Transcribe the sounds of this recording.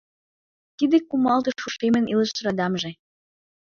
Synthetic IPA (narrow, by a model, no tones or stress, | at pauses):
t̪id̪ekumɑlt̪ɤ̆ʃuʃemə̆nilə̆ʃt̪ɾɑd̪ɑmʒĕ